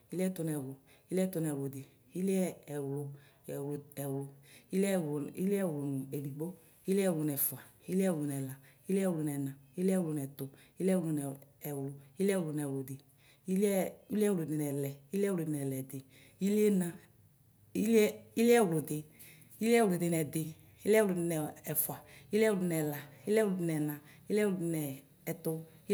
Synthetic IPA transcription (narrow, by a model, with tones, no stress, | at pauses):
i˦li˦ɛ˦to˧nɛ˨wlo˨ | i˦li˦ɛ˦to˨˧n˨ɛ˨wlo˨de˨ | i˦li˦ɛ˦ɛ˨wlʊ˨ | ɛ˨wlɛ˨wlo˨i˦lɛ˦˨i˦li˦ɛ˦˨wlo˨n˨e˨li˨ɡ͡bo˦ | i˦li˦ɛ˦˨wlu˨nɛ˨fu˨a˨ | i˦li˦ɛ˦˨wlu˨nɛ˨la˨ | i˦lɛ˦˨wlu˨n˨ɛ˨na˨i˦li˦ɛ˦wlu˧˨nɛ˨tʊ˨ | i˦li˦ɛ˦˨wlu˨˧nɛ˨ɛ˨wlo˨i˦lɛ˦˨wlu˨n˨ɛ˨wlo˨de˨ | i˦lɛ˦i˦lɛ˦wldɪ˨nɛ˨lɛ˨i˦li˦ɛ˦˨o˨dɪ˧nɛ˨lɛ˨dɪ˨ | i˦li˦e˦na˨ | i˦li˦lɛ˦˨wlʊ˨dɪ˧ | i˦li˦ɛ˦wlo˨dɪ˧nɛ˨dɪ˧ | i˦lɛ˦wlo˨dɪ˧nɛ˨ɛ˨fwa˨i˦li˦ɛ˦wlʊ˨˧nɛ˨la˨i˦li˦ɛ˦wlʊ˨dɪ˨˧nɛ˨nã˨i˦lɛ˦wʊ˨dɪ˧nɛː˨ | tʊ˧˦